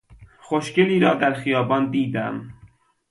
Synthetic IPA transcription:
xoʃkeliːɾɒːd̪æɾxijɒːbɒnd̪iːd̪æ̰m

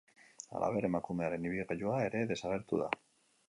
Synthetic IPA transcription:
a̰lʔa̰βeɾemakumeaɾeniβiɣeʎuaeɾeðesaɣeɾt̪uða̰

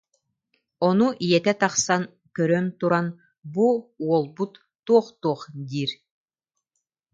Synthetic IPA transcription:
ɔnuʔijɛt̪ɛt̪ɑχsan | kœɾœnt̪uɾan | buuɔlˠbut̪ːuɔχt̪uɔχd̪iːɾ

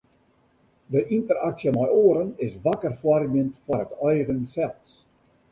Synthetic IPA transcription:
dəʔintəraksjəmɔjoːɾənɪsʋakərfwɔrmjəntfwɔrətœjɣənsɛlˠs

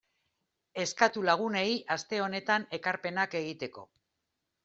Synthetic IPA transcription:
e̞skat̪ulaɣ̞une̞jʔast̪e̞o̞ne̞t̪ane̞kaɾpe̞nake̞ɣit̪e̞ko̞̰

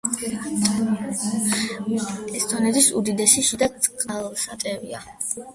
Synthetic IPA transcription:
ɛst̪ʰʼɔnɛd̪isṵd̪id̪ɛʃiʃid̪asʼqʼalsat̪ʼɛvḭa̰

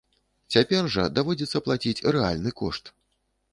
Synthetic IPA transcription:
t͡sʲapʲɛrʐɐd̪avɔd͡zʲɛt̪sːɐplˠat͡sʲit͡sʲrɛa̰lʲnɨkɔ̰ʂt̪

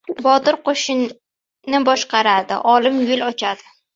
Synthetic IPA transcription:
bɒt̪ɪɾqoʃɪ | nɪbɒʃqɑɾad̪ɪ̰ʔɒlɪmjʊlɒt͡ʃʰad̪ɪ

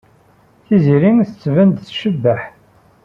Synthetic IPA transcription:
θiziɾinθət͡sːvənd̪θʃəbːəħ

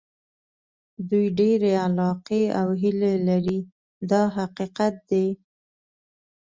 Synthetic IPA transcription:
d̪ujɖeɾealɑqeawɦilelaɾi | d̪ɑɦaqiqat̪̚d̪e

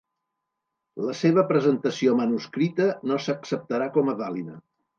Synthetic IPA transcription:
ləseβ̞əpɾəzənt̪əsiomənuskɾit̪ənosəksəp̚t̪əɾakɔməðalinə

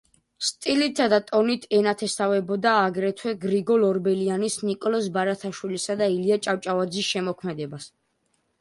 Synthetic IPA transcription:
st̪ʼilit̪ʰːad̪at̪ʼɔnit̪ʰɛnat̪ʰɛst̪avɛbɔd̪aːɡɾɛt̪ʰwɛɡɾiɡɔlɔɾbɛlianisnikʼɔlɔsbaɾat̪ʰaʃwilisad̪ailiat͡ʃʼaft͡ʃʼavad̪zisʃɛmɔkʰmɛd̪ɛbas

